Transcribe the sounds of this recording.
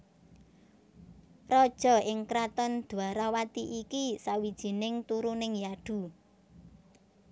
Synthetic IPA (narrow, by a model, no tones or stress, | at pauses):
rɔd̥ʒ̥ɔ̤ɪŋkɾat̪ɔnd̪̥ṳaɾawat̪iʔikisawid̥ʒ̥i̤nɪŋt̪uɾunɪŋjaɖ̥ṳ